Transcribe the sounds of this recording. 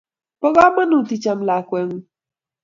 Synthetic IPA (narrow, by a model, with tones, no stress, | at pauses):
po˦ɣɔ˦ma˦nʊ˨ti˨t͡ʃa˨m̩˦la˨kʷe˨˦ŋ̩˦